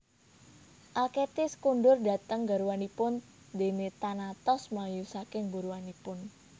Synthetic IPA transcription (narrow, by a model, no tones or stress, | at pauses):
ʔaket̪ɪskuɳɖʊrda̤t̪əŋɡaɾuwanipʊn | d̪enet̪anat̪ɔsmajusakɪŋbuɾuwanipʊn